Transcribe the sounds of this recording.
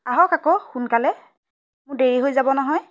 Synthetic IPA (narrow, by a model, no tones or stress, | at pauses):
aɦɔkakɔxunkalɛ | mʊɹdeɹiɦojzabɔnɔɦɔj